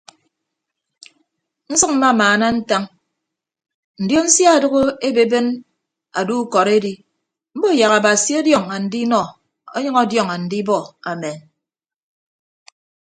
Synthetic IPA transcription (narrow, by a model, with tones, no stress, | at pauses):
n̩˦sɨ˦k̚m̩˦ma˦˨maː˨na˦n̩˦ta˦ŋ | n̩˨djo˦n̩˦sja˦˨dɨ˦ɣo˦e˦be˨be˦n | a̰˨du˦kɔ˨ɾe˦di˦ | m̩˦bo˦˨ja˨ɣa˨ba˨si˦ɔ˦djɔ˦˨ŋa˨n̩˨di˦nɔ˨ | ɔ̰˦ɲʌ˦ŋɔ˦djɔ˨ŋa˨n̩˨di˦bɔ˦a˨me˨n